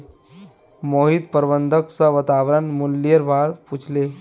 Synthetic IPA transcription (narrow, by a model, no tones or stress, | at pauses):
moːɦid̪̚pəɾbənd̪ʱəksəʋət̪aʋɾənmulːjəɾbʱaɾput͡ʃʰle